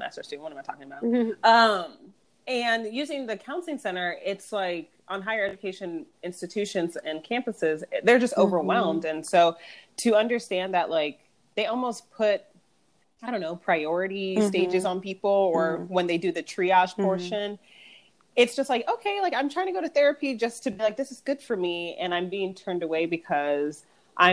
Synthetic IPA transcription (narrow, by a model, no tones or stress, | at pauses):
mæ̰stə˞z̥dʉ̃wʌ̃nʌvmatʰɔkɪ̃ŋəbaʊʌ̃m | ɨ̃njʉzɪ̃ŋðɨkʰãʊ̃nsl̩ˠɪ̃ŋsɛ̃ɾ̃ə˞ʔɪtslaɪk | ʔə̃n̩ɦaɪə˞ɛd͡ʒɨkʰeɪʃɨ̃n | ɪ̃nstɨtʰʉʃɨ̃nzɨ̃nkʰæ̃mpəsɪzðə˞d͡ʒʌstoʊvə˞wɛlˠmdɨ̃nsoʊtʰɨʌ̃ndə˞stæ̃nðəʔlaɪk̚ | ðeɪɔlˠmoʊspʰʊt̚ | aɪɾõʊ̃nːoʊpʰɹ̥aɪɔɹɨɾisteɪd͡ʒɨzn̩pipl̩ˠə˞wə̃nðeɪdɨðɨtʰɹ̥iɑʃpʰɔɹʃɨ̃n | ɨtsd̥ʒ̥ʌst̚ˡlaɪkoʊkʰeɪlaɪkãɪ̃mtɹ̥aɪɪ̃ŋtɨɡoʊɾɨθɛɹɨpid͡ʒʌstʰɨbilaɪk̚ðɪsɨzɡʊd̥fə˞miɨ̰̃nãɪ̃mbiɪ̃ŋtʰɜ̃˞ndəweɪbɨkʰʌz | ʔã̰ɪ̃